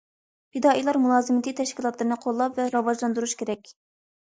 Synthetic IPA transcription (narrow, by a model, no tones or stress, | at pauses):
pid̪ɑːʔijlˠɑɾmulˠɑːzɨmɪt̪ʰit̪ʰɛʃkʲilˠɑt̪lˠɨɾɨnɨqʰolˠːɑpvɛɾɑvɑʒlˠɑnd̪uɾuʃkʲʰeɾɛkʲ